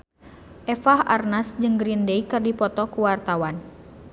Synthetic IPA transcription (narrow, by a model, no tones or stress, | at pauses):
ʔɛfaha̰rnasd͡ʒɨŋɡɾindeikɨrdipɔt̪ɔkuwart̪awan